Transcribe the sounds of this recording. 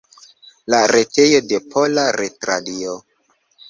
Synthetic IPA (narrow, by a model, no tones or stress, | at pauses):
laɾete̞jode̞pʰolaɾetɾadio